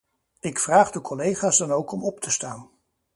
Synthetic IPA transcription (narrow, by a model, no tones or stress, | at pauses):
ɪkfraːχdəkʰɔlejχaːzdɑnowkɔmɔptəstaːn